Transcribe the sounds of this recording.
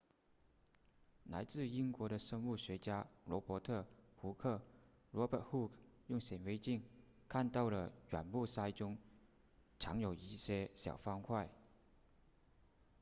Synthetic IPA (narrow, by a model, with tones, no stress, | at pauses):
la˧˥ɪt͡sɹ̩˥˩i˥nkwɔ˧˥ɾə˧ʂə˥ŋu˥˩ɕɥɛ˧˥t͡ɕja˥lwɔ˧˥pwɔ˧˥t̪ʰɤ˥˩xu˧˥kʰɤ˥˩ | lwɔ˧˥pə˨˩xu˥˩kjʊ˥˩ŋɕjɛ˨˩nwe˧˥ɪt͡ɕi˥˩ŋ | kʰa˥˧nt̪ɑ˥˩ʊlə˩ɥa̰˨˩npu˥˩sa˥ɪʈ͡ʂʊ˥ŋ | ʈ͡ʂʰɑ˧˥ŋjo˨˩ʊi˥˩ɕjɛ˥ɕjɑ̰˨˩ʊfɑ˥ŋkʰwa˥˩ɪ